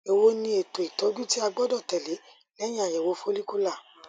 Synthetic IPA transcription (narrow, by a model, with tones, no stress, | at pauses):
e˨wo˧˦nĩ˧˦e˨to˨i˨tɔ˨˦d͡ʒu˦ti˦a˧ɡ͡bɔ˦dɔ˦˨tɛ˨le˨˦ | lɛ˦j̃ã˦a˨jɛ˨wo˨˦fo˦li˦ku˦la˦˨